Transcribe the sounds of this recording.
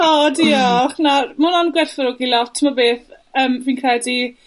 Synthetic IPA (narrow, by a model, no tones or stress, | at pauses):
ɔdiɔχnamʊnɔnɡwɪrθɔɾʊɡilˠɔtʰːɪmɔbeːθ | əːmviːnkʰr̥ɛdi